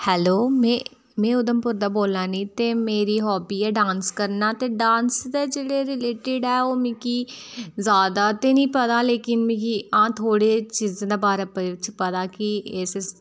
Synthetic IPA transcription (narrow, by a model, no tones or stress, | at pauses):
hɛːloːmɛ̃ | mɛ̃ːʊd̪əmpʊɾd̪aːboːlaːnĩːt̪eːmeːɾiːɦɔːbiːɛːɖãːnskəɾnaːt̪eːɖãːnsd̪eːd͡ʒeːɽeːɾɪleːʈɪɖɛːoːmĩːkiːzaːd̪aːt̪eːnĩːpət̪aːleːkɪnmĩːkiãːt̪ʰoːɽeːt͡ʃiːz̃d̪eːbaːɾɛpʋɪt͡ʃpət̪aːkɪɪs